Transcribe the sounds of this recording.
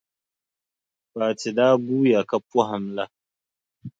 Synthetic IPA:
baː˨tɪ˨daː˦ɡuː˦ja˨kɐ˦pːɔ˦ɦa˨mla˦

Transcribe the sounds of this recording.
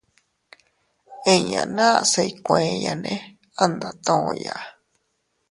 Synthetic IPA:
e˦ɲã̰˨nãː˦˧˨se˧i˧kʷẽ˨˧ja˨nẽ˦ | a˦nd̪a˨t̪õ˦˨˧ja˨ʔ

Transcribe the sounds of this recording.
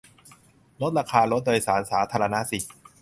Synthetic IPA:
lo˦˥t̪̚ɾaː˧kʰaː˧lo˦˥t̪̚doː˧jsaː˩˦nsaː˩˦t̪ʰaː˧ɾa˧na˦˥si˨˩

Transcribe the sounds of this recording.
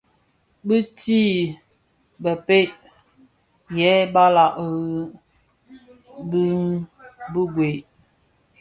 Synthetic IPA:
bɨ˦ti˦ | bə˨pe˦ʔ | jɛ˨˦ba˦la˨ʔɣ | bi˦nbu˦ɡwe˨ʔ

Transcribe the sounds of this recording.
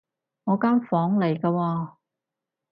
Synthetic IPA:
ŋɔː˨˧kaː˥nfɔː˨˥ŋle˨˩jkɐː˧wɔː˧

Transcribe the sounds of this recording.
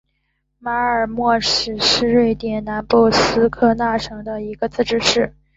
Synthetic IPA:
ma˧˥ə˞˨˩mwɔ˥˩ʂɻ̩˨˩ʂɻ̩˥˧ɻwe˥˩ɪt̪jɛ˨˩nna˧˥npɔ˥˩sɹ̩˥kʰɤ˥˧na˥˩ʈ͡ʂʰɤ˧˥ŋd̪ə˧i˧˥ɡə˧t͡sɹ̩˥˧ʈ͡ʂɻ̩˥˧ʂɻ̩˥˩

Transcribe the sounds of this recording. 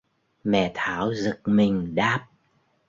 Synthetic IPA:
mɛ̰˧˩˨t̪ʰaː˧˨˦wzɨ˨˩k̚mï˨˩ŋ̟ɗaː˨˩p̚

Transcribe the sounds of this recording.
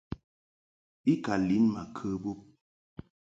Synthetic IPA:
i˦ka˨li˨˦nma˨kʰə˦bo˦p̚

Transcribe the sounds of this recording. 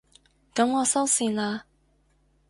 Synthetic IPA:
kɐ˨˥mŋɔː˨˧sɐ˥wsiː˨˩nlaː˧

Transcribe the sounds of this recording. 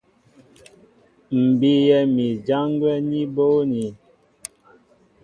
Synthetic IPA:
m̩˨bi˦jɛ˨mi˨d͡ʒa˦ŋ˦ɡwɛ˦ni˦bo˦ni˨

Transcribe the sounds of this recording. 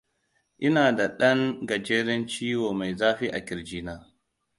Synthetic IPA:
ʔɪ˦naː˨da˨ɗɐ˦ŋɡɐ˨d͡ʒeː˦ɾɛ˦nt͡ʃiː˦woː˨ma˨jzaː˦ɸi˦ʔa˨kʲɪ˨ɾd͡ʒiː˦naː˦

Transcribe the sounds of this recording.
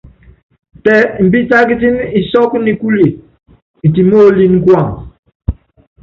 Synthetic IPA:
tɛ˦m̩˨bi˦ta˦k̬i˦ti˦ni˨sɔ˦kni˨ku˦li˨ | ti˨mo˦li˦n˦kwa˦˨ŋ

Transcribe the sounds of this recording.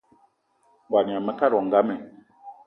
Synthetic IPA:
ɡwa˨n˨a˨mɛ˦ka˦ɾɔ˨ŋ˨ɡa˦mɛ˨

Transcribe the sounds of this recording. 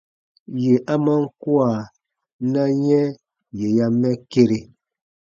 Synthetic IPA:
je˨ʔa˦ma˦ŋ̩˦kwa˨ | na˦ɲɛ˦ | je˨ja˦mɛ˦ke˦ɾe˨

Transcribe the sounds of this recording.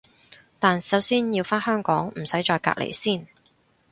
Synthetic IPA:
t̪aː˨nsɐ˨˥wsiː˥njiː˧wfaː˥nhœː˥ŋkɔː˨˥ŋm̩˨˩sɐ˨˥jt͡ʃɔː˧jka̰ː˧k̚lʔḛ˨˩jsiː˥˩n

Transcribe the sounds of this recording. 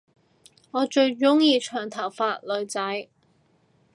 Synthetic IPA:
ŋɔː˨˧t͡ʃɵ˧ɥt͡ʃʊ˥ŋjiː˧t͡ʃʰœː˨˩ŋt̪ʰɐ˨˩wfaː˧t̚lɵ˨˧ɥt͡sɐ˨˥j

